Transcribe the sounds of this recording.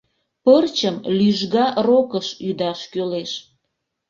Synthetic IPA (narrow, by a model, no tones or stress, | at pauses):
pərt͡ɕəmlyʒɣɑrokəʃyd̪ɑʃkøleʃ